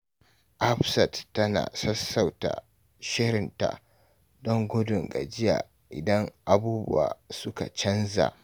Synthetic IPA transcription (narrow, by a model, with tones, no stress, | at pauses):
ʔa˦ɸsɐ˨tːɐ˦na̰ː˨sɐ˦sːa˨wta̰˨ | ʃɪ˦ɾɪ˨nta̰˨ | dɔ˦ŋɡʷʊ˦dʊ˨ŋɡa˨d͡ʒɪ˦jaː˨ | ʔɪ˨dɐ˦ŋʔa˨buː˦bʊ̰˦wa̰ː˨sʊ˦ka˨t͡ʃɐ˦nza̰˨ʔ